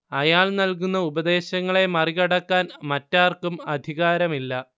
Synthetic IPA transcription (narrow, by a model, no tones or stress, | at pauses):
ɐjaːɭnɐlk̬unːɐubɐd̪e̞ːɕɐŋːɐɭe̞mɐriɣɐɽɐkːaːnmɐtːaːrkumɐd̪ʱiɣaːɾɐmilːɐ